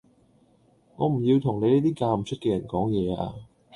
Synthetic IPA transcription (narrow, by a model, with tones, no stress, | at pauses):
ŋɔː˨˧m̩˨˩jiː˧wt̪ʰʊ˨˩ŋne˨˧jliː˥t̪iː˥kaː˧m̩˨t͡ʃʰɵ˥t̚kɛː˧jɐ˨˩nkɔː˨˥ŋjɛː˨˧a̰ː˧